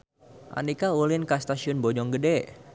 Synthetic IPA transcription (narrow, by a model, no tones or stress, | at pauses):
ʔa̰nikaulɪnkast̪asiʊnbɔd͡ʒɔŋɡədɛ